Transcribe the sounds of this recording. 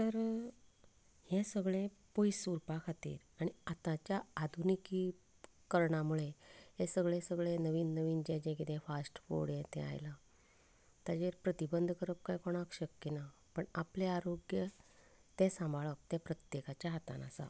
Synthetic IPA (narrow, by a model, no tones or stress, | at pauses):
t̪əɾ | hẽsəɡɭẽ | pojsuɾpakʰat̪ḭːɾaɽ̃iat̪ãt͡ɕjaad̪ʱunikiː | kəɾɳamuɭeɦẽsəɡɭẽsəɡɭẽnəʋiːnːəʋiːnd͡ʑẽd͡ʑẽkit̪ɛ̃fasʈfo̰ɽjẽt̪ɛ̰̃a̰jla | t̪ad͡ʑeɾpɾət̪ibənd̪ʱkəɾəp̚kajkɔɽ̃akɕəkːina | pəɳapleaɾoɡjə | t̪ẽsãmbʱaɭək̚t̪jẽpɾət̪jekat͡ɕjaɦat̪a̰na̰sa̰